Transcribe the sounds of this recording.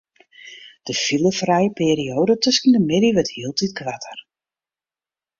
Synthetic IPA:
d̥əfilˠəfrɛjəpɪːɾioːdətøskəndəmɪdiʋəthiəlˠtitkʰʋatʰər

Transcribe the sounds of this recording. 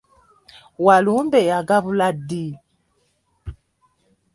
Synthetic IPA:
walumbɛjaɡaβuladːi

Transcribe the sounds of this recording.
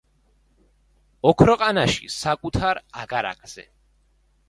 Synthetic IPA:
ɔkʰɾɔqʼanaʃḭsakʼut̪ʰaɾaɡaɾa̰ɡʰʼz̥ɛ̰

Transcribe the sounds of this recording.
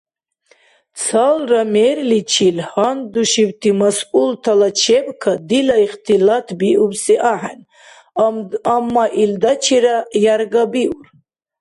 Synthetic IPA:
t͡sʰalramɛɾlit͡ʃʰilhand̪uʃiwt̪ʰimasult̪ʰalat͡ʃʰɛbkʰad̪ilaiχt̪ʰilat̪ʰbiʔubsiʔaħɛn | amːaʔild̪at͡ʃʰɛɾajaɾɡabiuɾ

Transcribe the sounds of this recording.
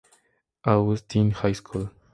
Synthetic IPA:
awɔst̪ʰinhajskʰul

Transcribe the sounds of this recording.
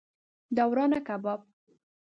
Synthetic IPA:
d̪awɾɑnakabɑb̚

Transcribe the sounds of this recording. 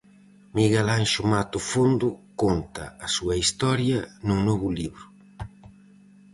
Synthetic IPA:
miɣɛlaŋʃumat̪ufund̪ukont̪ɐ̰ːsuɐist̪ɔɾjɐnunɔβuliβɾu

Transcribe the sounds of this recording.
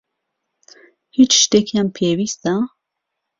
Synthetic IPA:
hit͡ʃʃt̪ekʰjampʰewist̪a

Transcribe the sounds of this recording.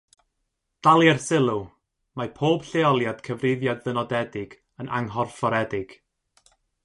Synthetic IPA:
d̥alˠjɛrsɪlˠʊ | mapʰoːb̥ɬeɔlˠjad̥kʰəvrɪðjadðənɔdɛdɪɡ | ənʔa̰ŋɦɔrfɔɾɛdɪɡ̥

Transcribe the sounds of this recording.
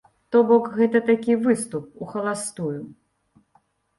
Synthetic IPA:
t̪ɔbɔkɣɛt̪ɐt̪akʲivɨst̪up̚uxɐlˠast̪uju

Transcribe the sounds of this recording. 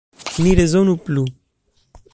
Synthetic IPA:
niɾezonuplu

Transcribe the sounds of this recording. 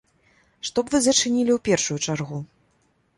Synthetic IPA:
ʂt̪ɔbvɨzɐt͡ʂɨnʲilʲiwpʲɛrʂujut͡ʂarɣu

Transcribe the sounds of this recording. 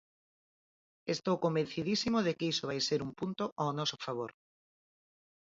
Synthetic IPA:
est̪owkombẽn̟θiðisimoðekeisoβ̞ajseɾumpunt̪oʔawnɔsofaβ̞oɾ

